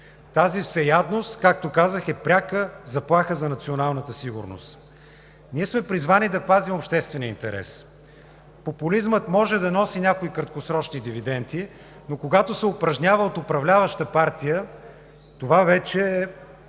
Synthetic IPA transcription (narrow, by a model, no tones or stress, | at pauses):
t̪azifsɛjad̪nost̪kak̚t̪okazəxɛpɾʲakəzɐplˠaxəzɐnɐt̪sionalˠnət̪əsiɡʊ̰ɾno̰st̪ | niɛsmɛpɾizvanid̪ɐpazimopʃt̪ɛst̪vɛniəḭnt̪ɛɾɛ̰s | populizmət̪mɔʒɛd̪ɐnɔsinʲakoikɾɐt̪̚kosɾɔt͡ʃnid̪ivid̪ɛnt̪i | nokoɡat̪osɛʊpɾɐʒnʲavəot̪ʊpɾɐvlʲavəʃt̪əpaɾt̪ijə | t̪ovavɛt͡ʃɛː